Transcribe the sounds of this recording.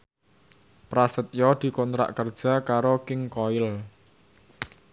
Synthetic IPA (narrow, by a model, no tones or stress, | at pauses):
pɾasət̪̚jɔd̪̥i̤kɔnt̪ɾa̰ʔkərd̥ʒ̥a̤kaɾokɪŋkɔɪl